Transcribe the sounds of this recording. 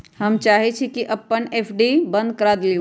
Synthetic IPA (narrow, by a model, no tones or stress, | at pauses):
hɐmt͡ʃaːɦet͡ʃʰikiʔɐpːəneːfʰɖibɐ̃nd̪̚kɐɾaːd̪le